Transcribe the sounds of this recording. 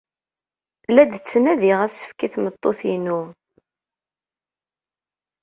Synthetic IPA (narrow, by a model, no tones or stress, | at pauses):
læd̪t͡sːənæðiʁæsə̥fkiθmət̪ˤːoθinu